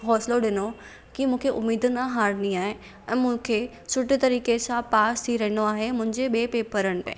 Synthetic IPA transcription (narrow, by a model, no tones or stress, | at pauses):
ɦɔːsloɗɪno | kimũːkʰeʔʊ̰mːiːd̪ənaɦaːɾniaːɦe | ɛ̃ːmũːkʰe | sʊʈɪt̪ɐɾiːkesãpaːst̪ʰiɾɐɦɪ̃noaːɦemʊ̃ɦɪ̃ɲd͡ʑeɓeːpeːpəɾəɽ̃ɪ̆pɐ̰̃